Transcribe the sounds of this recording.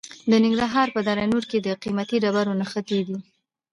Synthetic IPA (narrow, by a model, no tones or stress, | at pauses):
d̪ənɪŋɡɾaɦɑɾpəd̪aɾajnuɾked̪əqimat̪iɖabaɾonaxət̪ed̪i